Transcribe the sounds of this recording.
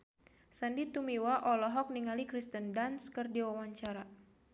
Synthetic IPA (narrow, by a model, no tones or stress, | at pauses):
sandit̪umiwaʔɔlɔɦɔk̚niŋalikɾist̪əndanskɨrdiwawaɲt͡ʃaɾa